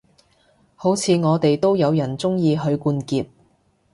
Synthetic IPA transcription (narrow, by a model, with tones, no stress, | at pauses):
ho˨˥wt͡sʰiː˨˧ŋɔː˨˧t̪e˨jt̪o˥wjɐ˨˧wjɐ˨˩nt͡sʊ˥ŋjiː˧ɦɵ˨˧ɥkuː˧nkiː˨˧p̚